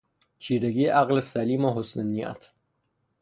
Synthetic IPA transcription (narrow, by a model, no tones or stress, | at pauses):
t͡ʃʰiːɾeɡiːʔæɣlesæliːmoɦosnenːijæ̰t̪ʰ